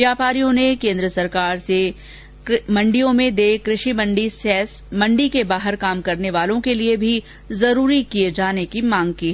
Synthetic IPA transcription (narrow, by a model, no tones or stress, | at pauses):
ʋjaːpaːɾijõnekẽːnd̪ɾəsɐɾkaːɾse | mɐ̃ɳɖijõmẽd̪eːkɾɪʃimɐ̃ɳɖisɛːsmɐ̃ɳɖikebaːɦəɾkaːmkɐɾneʋaːlõkeliebʱi | zɐɾuːɾikied͡ʒaːnekimãːŋɡ̚kiːɦɛː